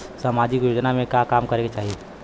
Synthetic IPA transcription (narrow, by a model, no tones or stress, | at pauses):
samaːd͡ʒikjoːd͡ʒnamẽkjaːkaːmkɐɾẽɡet͡ʃaːɦie